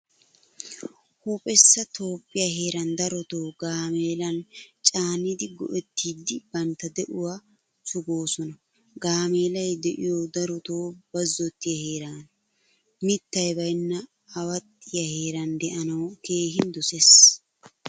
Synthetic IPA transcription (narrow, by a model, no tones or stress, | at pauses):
hupʼɛsːɐt̪ʰo̞ːpʼːɪjaɦe̞ːɾɐnd̪ɐɾɔt̪oːɡaːmeːlɐnt͡ʃʼaːnid̪ɪɡɔ̰ʔɛt̪ːiːd̪ɪbɐnt̪ːɐd̪ɛʔʊwaː | sʊɡo̞ːsɔnɐ | ɡaːme̞ːlɐjd̪ɛʔɪjod̪ɐɾɔt̪oːbɐzːɔt̪ːɪjɐhe̞ːɾaːn | mɪt̪ːɐjbɐjnːɐː | wɐt̪ʼːɪjɐhe̞ːɾɐnd̪ɛʔɐnɐwke̞ːɦɪnd̪ɔses